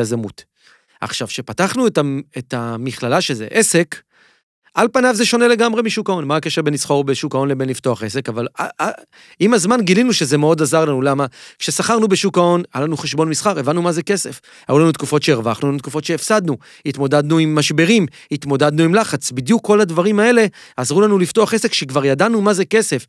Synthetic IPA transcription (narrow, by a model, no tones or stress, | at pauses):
azamut | a̰χʃavʃe̞pataχnuetaetamiχlalaʃezḛʔe̞se̞k | alpanavze̞ʃo̞ne̞le̞ɡamʁe̞miʃukao̞nmaːkeʃeʁbenlisχo̞ʁbeʃukao̞nle̞benlifto̞aχe̞se̞kavala̰ | imazmanɡilinuʃezemeo̞dazaʁlanulamakʃe̞saχaʁnubeʃukao̞nalanuχeʃbo̞nmisχaʁe̞vanːumazeke̞se̞f | ha̰julanut̪̚kufo̞tʃe̞eʁvaχnulanut̪̚kufo̞t̪ʃe̞ːfsad̪nu | it̪mo̞dad̪nuimːaʃbe̞ʁim | it̪mo̞dad̪nuimlaχat͡sbid̪jukʰːo̞ladvaʁimae̞le̞ | azʁulanulift̪o̞aχese̞kʃekvaʁjadanumazeke̞se̞f